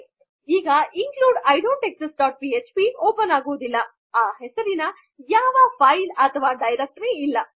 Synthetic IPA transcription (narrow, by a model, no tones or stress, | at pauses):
iːɡɐʔiŋkluːɖɐjɖoːɳʈeksɐsʈ̚ɖaːʈ̚piːet͡ʃpioːpɐnaːɡoːd̪ilːɐ | aːɦɛsɐɾinɐ | jaːʋɐpʰɐjlɐt̪ʰɐʋaːɖɐjɾek̚ʈɾiːlːɐ